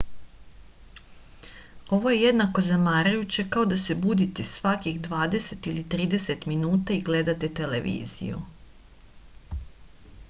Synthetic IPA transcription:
o̞ʋo̞je̞je̞d̪nako̞zamaːɾajut͡ɕe̞kao̞d̪ase̞bud̪it̪esʋakixd̪ʋaːd̪e̞se̞t̪ilit̪ɾiːd̪e̞se̞t̪minuːt̪aiɡle̞d̪at̪et̪e̞leʋḭːzḭjṵ

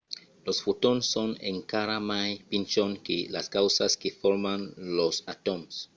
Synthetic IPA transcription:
losfut̪onsːonḛŋkaɾamajpint͡ʃonkelaskawsaskefoɾmanlosat̪oms

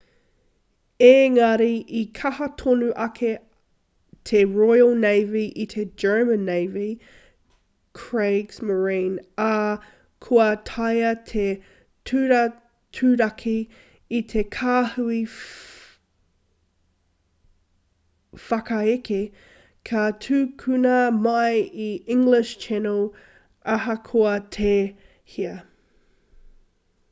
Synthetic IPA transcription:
eŋɐɾiʔikʰɐhɐtʰonuʔɐkʰe | t̪ʰeɹojəlˠnejviʔit̪ʰed͡ʒɜ˞mənːeɪvi | kʰɹeɡsməɹĩnɐ | kʰuɐtʰɐjɐtʰe | tʰʉɾɐ | tʰʉɾɐkʰiː | t̪ʰekʰaːhʉi | fɐkɐeke | kʰɐtʰʉːkʰʉnɐmɐjiɪ̃ŋɡlɪʃt͡ʃʰɛnolˠ | ɐɦɐkʰoɐtʰe | hiɐ

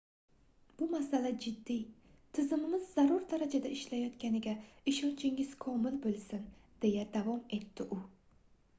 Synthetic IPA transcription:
b̥ʊmasalad͡ʒɪd̪ːijt̪ʰɪzɪmɪmɪzːaɾuɾd̪aɾad͡ʒad̪aɪʃlajɒt̪kʲanɪɡʲaɪʃɒnt͡ʃʰɪŋɪz̥kʰɒmɪlbolˠsɪnd̪̥e̞jad̪avɒme̞t̪ʰːɪʔʊ

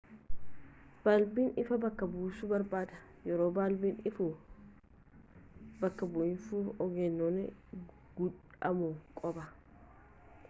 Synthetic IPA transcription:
b̥aːlbiːnɪfɐbɐkːɐbuːsubɐɾbaːd̪ɐ | jɛɾoːbaːlbiːnɪfu | bɐkːɐbʊʔɪnsuɔɡɛnːonɛ | ɡ̥ʊᶑɐmʊkʼɔbɐ

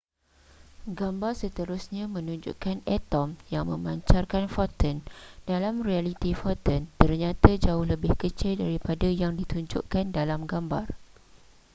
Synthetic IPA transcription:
ɡambarsət̪əɾusɲãmə̃nũɲd͡ʒṵʔkanɛt̪ɔmjaŋmə̰̃maɲt͡ʃarkanfɔt̪əndalamrialit̪ifɔt̪ənt̪ərɲãt̪ad͡ʒaʊhləbɪhkət͡ʃɪldaɾipadajaŋdit̪uɲd͡ʒʊ̰ʔkandalamɡamba̰r

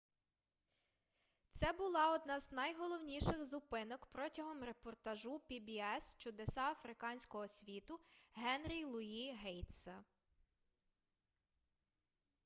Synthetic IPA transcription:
t̪sɛbʊlˠɑɔd̪nɑznɐjɦɔlˠɔwnʲiʃɪxzʊpɪnɔkpɾɔtʲɐɦɔmɾe̞pɔrt̪ɐʒupʲibʲiɛst͡ʃʊd̪esɑɐfɾɪkɑnʲsʲkɔɦɔsʲʋʲit̪ʊɦɛnɾʲilˠʊiɦɛjt̪sɐ

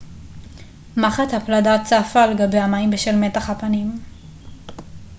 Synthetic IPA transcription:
maχathapladat͡safaleɡabe̞jamajmbeʃelme̞taχhapanim

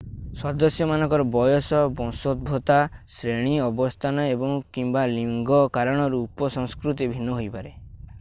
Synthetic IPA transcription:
sɔd̪ɔsjɔmanɔ̃ŋkɔɾɔbɔjɔsɔbɔ̃sɔd̪̚bʱot̪asɾeɽ̃iɔbɔst̪ʰanɔebɔŋkimbaliŋɡɔkaɾɔɽ̃ɔɾuːpɔsɔ̃ŋskɾut̪̬ibʱinːɔɦojpaɾe

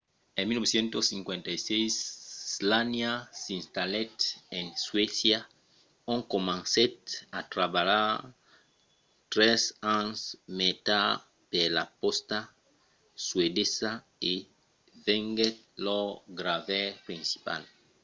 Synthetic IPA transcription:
ẽmilnoesjẽnt̪osːiŋkwẽnt̪ajsejszlanjasĩnst̪alet̪ensweθja | õŋkomãnset̪at̪ɾaβala | t̪ɾesansmet̪a | pelapost̪a | swedesa | i | veŋɡetloɡɾavepɾĩnsi̥pa̰l

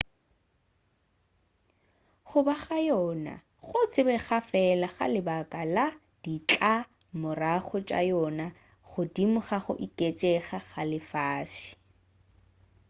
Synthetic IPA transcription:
χʊbaχajɔna̰ | χʊt͡sʰɪbɛχafɛlaχa̰lɪbakʼala | d̥it͡ɬʼa | mʊraχɔt͡ʃʼa̰jɔna | χʊdimʊχaχʊ̰ʔikʼet͡ʃʼɛχaχalɪfaːʃi̥

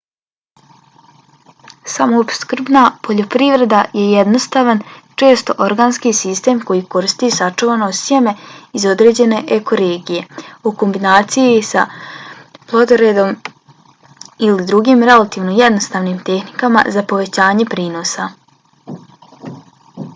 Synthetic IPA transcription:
samoːpskr̩bnapʰo̞ʎo̞pɾiʋɾe̞d̪aje̞jed̪nost̪aːʋant͡ʃe̞ːst̪o̞ʔoɾɡaːnskisist̪e̞ːmko̞jiko̞ɾist̪isat͡ʃuʋanosje̞me̞izo̞d̪ɾe̞ːd͡ʑe̞ne̞ʔeko̞ɾeːɡije̞uko̞mbinaːt̪sijisa̰ | plˠod̪oɾe̞d̪o̞m | ilid̪ɾuɡiːmɾe̞lat̪iːʋnoje̞d̪no̞st̪aːʋniːmt̪e̞xnikama̰zapo̞ʋe̞t͡ɕaːɲe̞pɾiːnosa

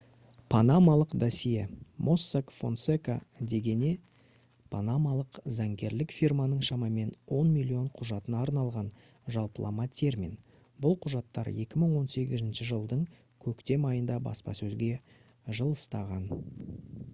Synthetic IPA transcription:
pʰanamɑlˠəqd̪asijemʔo̞sːakfo̞̰nseka̰d̪e̞ɡʲe̞ne̞ | pʰanamalˠəqzɑŋɡʲe̞ɾlɪkfirmɑnəɴʃɑmɑme̞nwo̞nmilʲˠio̞ɴqʰʊʒɑt̪ənɑːɾnɑlˠʁɑn | ʒɑlˠpəlˠɑ̰mɑt̪ʲʰe̞rmʲḭn | bʊlˠqʰʊʒɑt̪ːɑ̰ɾje̞kʲɪməɴwo̞nse̞ɡʲɪzɪnʃɪʒəlˠd̪əɴ | kʲʰɵkt̪e̞mɑjənd̪ɑbɑ̰spɑ̰sɵzɡʲe̞ | ʒəlˠəst̪ɑʁɑn

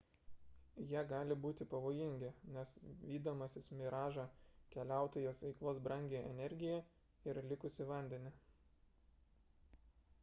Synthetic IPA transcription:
jiːɡɑːlʲɪbuːt̪ʲɪpɐʋoːjɪŋʲɡʲɪnʲɛsʋʲiːd̪oːmɐsʲɪsmʲɪɾɑːʒɑkʲɛlʲæˑʊt̪oːjɛsʋʲɛɪklˠoːsbɾɐŋʲɡʲeʔɛ̰nʲɛɾʲɡʲɪjɛ | ɪɾlʲɪkʊsʲɪʋɐnʲd̪ʲɛnʲɪ

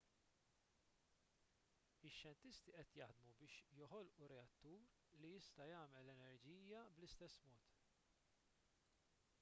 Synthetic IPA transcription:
ɪʃjɛnt̪ɪst̪iʔɛt̪jɐħd̪mubɪːʃjɔħɔlʔuɾɛɐt̪ːuːɾ | lijɪst̪ɐjɐːmɛlɛnɛɾd͡ʒiːjɐblɪst̪ɛsːmɔːt̪

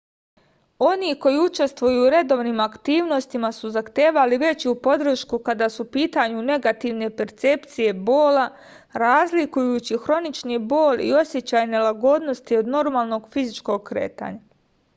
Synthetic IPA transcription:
o̞niko̞jiut͡ʃe̞st̪ʋujuːɾe̞d̪o̞ːʋniːmakt̪iːʋno̞st̪imasuzaxt̪e̞ːʋaliʋe̞t͡ɕupo̞d̪ɾ̩ʃkukad̪asupiːt̪aɲune̞ɡat̪iʋne̞pe̞ɾt̪se̞pt̪sije̞bo̞ːla | ɾaːzlikujuːt͡ɕixɾo̞nit͡ʃnibo̞ːlʲḭo̞sje̞t͡ɕaːjne̞laɡo̞d̪no̞st̪io̞d̪no̞ɾmaːlˠno̞ɡfizit͡ʃko̞ɡ̚kɾḛːt̪a̰ɲa

